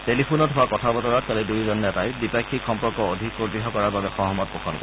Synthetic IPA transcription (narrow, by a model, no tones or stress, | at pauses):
telipʰunɔtɦʊwakɔtʰabɔtɔɹat̚kalidujzɔnɛtajbipakʰːikxɔmpɔɹkɔodʱikkoɡɹiɦɔkɔɹaɹbabɛxɔɦɔmɔt̚pɔkʰɔnkɔ